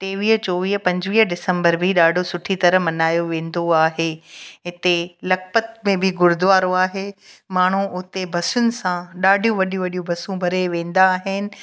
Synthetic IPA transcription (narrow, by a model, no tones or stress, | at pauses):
t̪eːʋiːɦt͡ɕoːʋiːɦpɐ̃ɲd͡ʑʋiːɦɖɪsə̃mbəɾbʱɪɗaːɖʱosʊʈʰit̪ɐɾəɦmɐnaːjoʋẽːn̆d̪oaːɦeɦɪt̪elɐkpət̪̚mẽbʱɪɡʊɾd̪ʊʋaːɾoaːɦemaːɳ̤uʔʊt̪ebʱɐsʊnɪ̆sãɗaːɖʱijũʋɐɗʱijũʋɐɗijũbʱɐsũbʱɐɾeʋẽːn̆d̪aːɦɪnɪ̆